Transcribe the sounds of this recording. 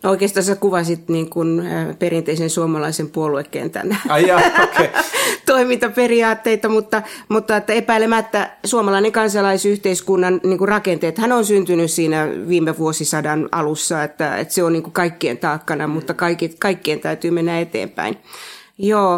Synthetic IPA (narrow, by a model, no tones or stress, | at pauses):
oikeːst̪ɑːnsekuʋɑsit̪niːŋkunperint̪eisensuomɑlɑisempuoluekːḛːnt̪æ̰næ | et̪oimint̪ɑperiɑːt̪ːeit̪ɑmut̪ːɑmut̪ːɑet̪ːæepæilemæt̪ːæsuomɑlɑineŋkɑnsɑlɑisyht̪eiskunːɑnniːŋkurɑkent̪eːet̪hænonsynt̪ynyssiːnæʋiːmeʋuosisɑdɑnɑ̰lusːɑet̪ːæ̰ḛt̪seoniːŋkukɑikːiḛnt̪ɑːkːɑnɑmut̪ːɑkɑikikɑikːient̪æyt̪yːmenːæet̪ḛːmpæ̰injoː